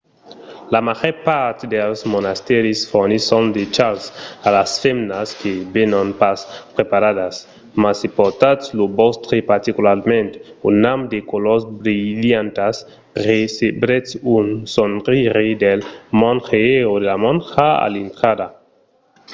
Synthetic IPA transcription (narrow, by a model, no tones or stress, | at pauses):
lamaʁepaɾt̪edelsmonast̪eɾisfoɾnisondet͡ʃalsalasfemnaskebenonpaspɾepaɾadas | masipot̪atslobost̪ɾepaɾt̪ikulaɾmẽnt̪unːamd̪ekolosbɾiljant̪as | ʁesebɾetsunsonʁiɾedelmɔnxeeodelamɔnxaa̰lint̪ɾada